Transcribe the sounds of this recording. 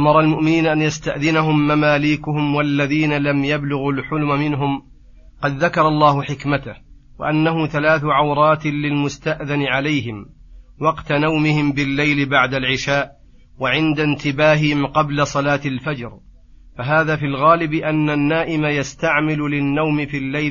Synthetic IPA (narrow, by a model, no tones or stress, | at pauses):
ʔamɑɾˤɑlmʊʔmɪniːnaʔanjast̪aʔðɪnaɦʊmːamaːliːkʊhʊmwalːaðiːnalamjablʊɣalħʊlmamɪnɦʊm | qɑd̪ðakɑɾˤɑlˤːɑːhʊħɪkmat̪ah | wa̰ʔanːaɦʊθalaːθʊʕawɾˤɑːt̪lɪlmʊst̪aʔðanɪʕalajhɪmwɑqt̪anawmɪhɪmbɪlːajlɪbaʕd̪alʕɪʃaːʔ | waʕɪnd̪ant̪ɪbaːɦɪhɪmqɑblasˤɑlaːt̪alfad͡ʒɾ | faɦaːðaːfiːlɣaːlɪbɪʔanːanːaːʔɪmajast̪aʕmɪlʊlɪnːawmɪfiːlːaj